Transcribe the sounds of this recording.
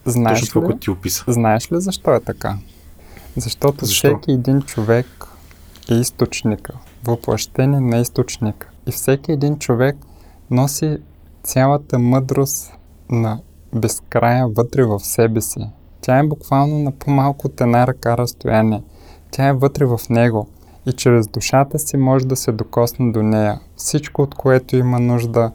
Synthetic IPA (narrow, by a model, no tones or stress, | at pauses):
znaɛʃklit̪iopisə̥znaɛʃlizɐʃt̪ɔɛt̪ɐka̰ | zɐʃt̪ɔt̪ofsɛkʲiɛd̪int͡ʃovɛk | ɛist̪ot͡ʃnikə | voplˠɐ̰ʃt̪ɛniɛnɐist̪ot͡ʃnikə̥ifsɛkiɛd̪int͡ʃovɛk̚ | nɔsi | sʲalˠət̪əmɤd̪ɾost̪ | nɐ | bɛskɾajəvɤt̪ɾɛvɐfsɛbɛsi | t̪ʲʰaɛbʊkv̥alˠnonɐpʰomalˠkot̪ɛnaɾɐkaɾɐst̪ojanʲiɛ | t̪ʲaɛvɤt̪ɾɛvɐfnɛɡo | it͡ʃɾɛzd̪uʃat̪əsimɔʒɛd̪ɐsɛd̪okɔsnɛd̪onɛjəfsit͡ʃkoot̪koɛt̪oimənuʒd̪ə